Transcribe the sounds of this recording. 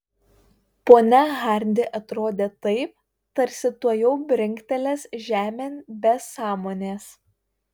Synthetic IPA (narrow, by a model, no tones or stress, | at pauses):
poːnʲɛɣɑˑɾʲnʲd̪ʲɪʔɐt̪ɾoːd̪ʲeːt̪ɐɪp̚ | t̪ɐɾʲsʲɪt̪uɔjɛʊbʲɾʲɪŋʲkʲt̪ʲɛlʲeːsʒʲæːmʲeːnʲbʲɛsɑːmoːnʲeːs